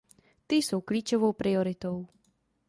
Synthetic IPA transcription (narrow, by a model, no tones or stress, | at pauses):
t̪iːsuwklʲiːt͡ʃɔʋɔʊpɾiɔɾit̪ɔʊ